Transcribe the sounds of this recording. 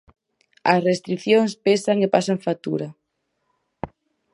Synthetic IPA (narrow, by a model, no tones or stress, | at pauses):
ɐ̰srest̪ɾiθjoŋspesaŋepasaŋfat̪ṵɾa